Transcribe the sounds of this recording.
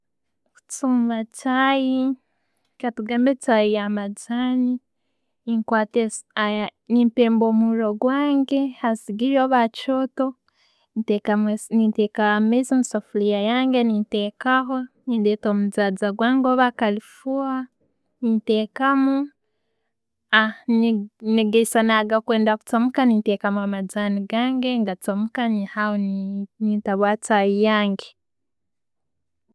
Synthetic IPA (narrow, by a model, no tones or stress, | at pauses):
kut͡suːmbat͡ʃaːji | katuɡaːmbet͡ʃajijamad͡zani | iŋkwateanimpeːmboːmuɾoɡwaːŋɡe̞hasiɡiɾoːβat͡ʃoto | teanitekamezinsofulijajaːŋɡenintekaɦonindeːtoːmuzaːd͡zaɡwaːŋɡoβakalifua | niteːkamu | anneɡesanaɡakweːndaku̥t͡somukanitekamuamad͡zaniɡaːŋɡeŋɡat͡somukanihahonnitaβwaːt͡sajijaːŋɡe